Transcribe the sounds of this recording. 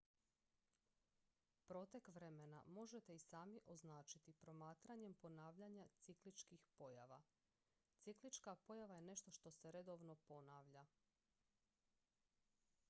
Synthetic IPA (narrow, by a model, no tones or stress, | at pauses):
pɾo̞t̪e̞kʋɾe̞mena̰mo̞ʒet̪e̞isaːmiʔo̞znaːt͡ʃit̪ipɾo̞maːt̪ɾaɲe̞mpo̞naːʋʎaɲat̪siklit͡ʃkixpo̞jaʋa̰ | t̪siklit͡ʃkapo̞jaʋaje̞ne̞ʃt̪o̞ʃt̪o̞seɾe̞d̪o̞ʋno̞po̞naːʋʎa